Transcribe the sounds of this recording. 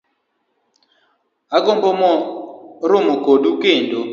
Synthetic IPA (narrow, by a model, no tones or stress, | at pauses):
aɡombɔmɔɾomoɡodukendo